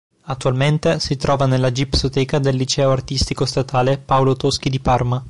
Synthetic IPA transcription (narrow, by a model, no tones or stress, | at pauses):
at̪ːualment̪esit̪ɾʔɔːvanelːad͡ʒipsot̪ɛːkad̪elːit͡ʃɛːoart̪ist̪ikost̪at̪aːlepawlot̪osk̟id̪iparma